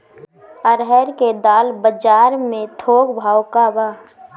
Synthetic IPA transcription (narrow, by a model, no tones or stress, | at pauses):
əɾɦɛɾked̪aːlbəd͡ʒaːɾmẽt̪ʰoːɡbʱaːʊkabaː